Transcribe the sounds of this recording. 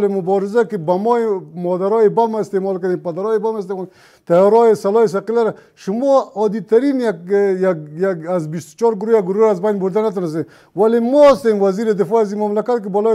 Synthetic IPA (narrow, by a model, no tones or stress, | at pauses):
lemʊbɔɾɪzakɪbamɔemɔd̪aɾɔjebamaɪst̪emɔlkad̪enpad̪aɾɔjebamest̪emɔl | t̪ajɔɾɔjesalɔes̬aqilaɾa | ʃʊmɔɔd̪it̪aɾinjak̚jakjakazbist̪ʊ̥t͡ʃɔɾɡʊɾoaɡʊɾoɾazbajnbʊɾd̪anat̪̬ɔnas̬en | walemɔast̪emwaziɾed̪ɪfɔazimamlakat̪̚k̬ɪbɔlɔ